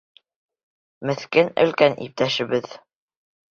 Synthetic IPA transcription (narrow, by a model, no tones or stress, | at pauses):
mɘ̆θkɘnɘ̰̆lkænʔḭp̚t̪æʃɘ̆βɘð